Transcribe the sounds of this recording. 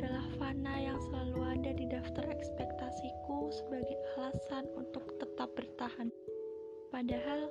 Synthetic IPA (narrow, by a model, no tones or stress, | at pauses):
dalahfanajaŋsəlaluadadidaft̪arɛkspɛk̚t̪asikusəbaɡajalasanunt̪ʊk̚t̪ət̪ap̚bərt̪ahan | padaɦal